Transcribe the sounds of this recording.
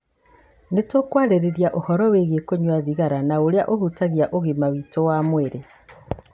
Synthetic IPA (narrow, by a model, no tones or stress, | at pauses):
netokwaɾeɾeɾjaʔohɔɾɔweɣekoɲwaðiɣaɾanaoɾeaʔohutaɣjaʔoɣemawitowamweɾe